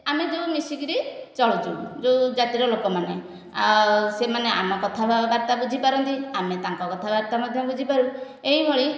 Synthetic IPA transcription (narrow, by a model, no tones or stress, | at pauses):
amed͡ʒeumisiɡɾit͡ʃɔɭut͡ʃ̪ud͡ʒed͡ʒat̪iɾɔlokɔmane | semaneʔa̰mɔkɔt̪ʰabaɾt̪abud͡ʒʱipaɾɔnt̪iamet̪ãŋkɔkɔt̪ʰabaɾt̪amɔd̪ʱjɔbud͡ʒʱipaɾu | eɦibʱɔɭi